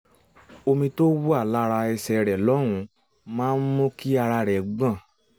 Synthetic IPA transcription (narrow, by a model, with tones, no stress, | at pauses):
o˧mĩ˧to˦wo˦a˦˨la˦ɾa˧ɛ˧sɛ˨ɾɛ˨lɔ˨˦ɾ̃ũ˧ | mãː˦n̩˦mõ˦ki˦a˧ɾa˧ɾɛ˨ɡ͡bã˦˨